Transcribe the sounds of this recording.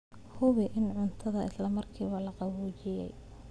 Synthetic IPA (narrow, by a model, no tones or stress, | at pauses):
hʊβɪʔɪnʕʊnt̪ʰɐðɐɪslɐmɐrkʰiːβɐlɐqɑβuːt͡ʃɪjɛ̰j